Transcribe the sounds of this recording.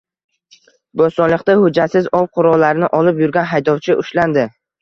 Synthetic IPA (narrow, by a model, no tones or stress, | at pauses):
bost̪ɒnlˠɨqt̪ahʊd͡ʒat̪sɪzɒw̚qʰʊɾɒllːaɾɪnɪʔɒlɪpjʊɾɡʲanɦajd̪ɒwt͡ʃʰɪʔʊʃland̪ɪ